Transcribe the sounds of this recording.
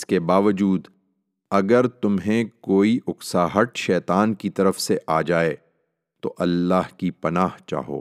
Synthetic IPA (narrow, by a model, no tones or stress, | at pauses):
ɪskebaːʋəd͡ʒuːd̪ | ɐɡəɾt̪ʊmɦẽkoːiʔʊksaɦəʈʃɛːt̪aːnkit̪ɐɾəfseʔaːd͡ʒaːe | t̪oʔɐlːaːɦkipɐnaːɦt͡ʃa̰ːɦo̰ː